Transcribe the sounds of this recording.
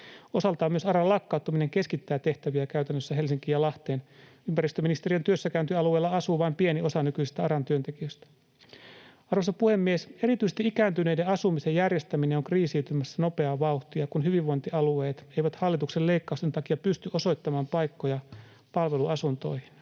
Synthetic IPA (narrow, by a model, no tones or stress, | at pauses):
o̞sɑlt̪ɑːmyøsɑɾɑlɑkːɑˑut̪ːumineŋke̞skit̪ːæːt̪e̞ht̪æʋiækæyt̪ænːøsːæɦe̞lsiŋkiːjɑlɑht̪eːn | ympæɾist̪øminist̪e̞riɑnt̪yøsːækæynt̪iɑlue̞ːlːɑɑsuːʋɑimpienio̞sɑnykysi̥st̪æɑɾɑnt̪yønt̪e̞kiøst̪æ̥ | ɑrʋosɑpuhe̞mːiese̞ɾit̪yise̥st̪iikæːnt̪yne̞ijdeɑsumisejjærje̞st̪æmineoŋkriːsiːt̪ymæsːæno̞pe̞ɑʋɑuxt̪iɑkunɦyʋiʋʋo̞jnt̪iɑlue̞ːt̪e̞jʋæt̪hɑlːit̪ukselleikːɑust̪ent̪ɑkiɑpyst̪yʔo̞so̞jt̪ːɑmɑːmpɑjkːojɑ | pɑlʋe̞luɑsunt̪o̞̰jhin